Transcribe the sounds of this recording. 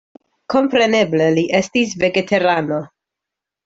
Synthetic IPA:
ko̞mpɾe̞ne̞ble̞liʔe̞stis̬ve̞ɡe̞tʰe̞ɾano̞

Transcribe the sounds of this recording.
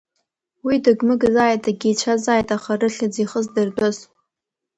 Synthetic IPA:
widɨɡmɨɡzaːjtʼaɡʲit͡ʃʷʰazaːjtʼaχarɨɬad͡ziχəzdɨrdʷʼaz

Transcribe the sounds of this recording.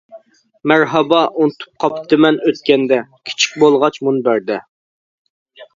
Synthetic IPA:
mæɾɦɑbɑʔunt̪ʰu̥p̚qʰɑpʰt̪ɪmɛnøt̪kʲɛnd̪ɛkʲʰi̥t͡ʃʰi̥k̚ʲbolˠʁɑt͡ʃmunbæɾd̪ɛ

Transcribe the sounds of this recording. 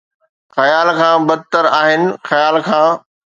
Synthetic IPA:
xɐjaːlkʰãːbɐt̪əɾaːɦɪnɪ̆xɐjaːlkʰãː

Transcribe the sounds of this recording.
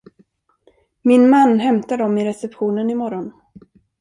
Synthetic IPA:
mɪnmanːɦɛmt̪ad̪ɔmɪɾɛsɛpɧuːnənɪmɔɾɔn

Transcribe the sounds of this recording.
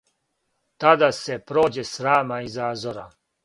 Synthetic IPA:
t̪ad̪asepɾo̞ːd͡ʑesɾaːmaizaːzoɾa̰

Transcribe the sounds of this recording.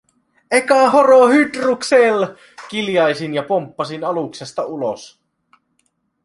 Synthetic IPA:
ʔekɑɦoɾohyd̪ruksel | k̟iljɑjsinjɑpompːɑsinɑluksest̪ɑulo̰s

